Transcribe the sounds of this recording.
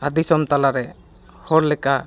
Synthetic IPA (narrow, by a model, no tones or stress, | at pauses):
ad̪isɔmt̪alaɾɛ | hɔɾlɛka